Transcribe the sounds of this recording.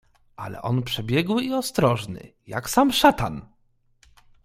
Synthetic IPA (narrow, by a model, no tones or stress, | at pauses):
ʔalɛ̰ʔɔnpʂɛbʲjɛɡwiɔst̪ɾɔʐnɘ̰ja̰ksamʂat̪an